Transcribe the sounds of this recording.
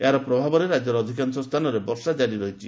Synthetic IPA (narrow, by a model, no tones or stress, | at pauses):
eɦaɾɔpɾɔbʱabɔɾeɾad͡ʒɔɾɔd̪ʱikansɔst̪ʰanɔɾebɔɾsad͡ʒaɽiɾɔɦit͡ʃʰi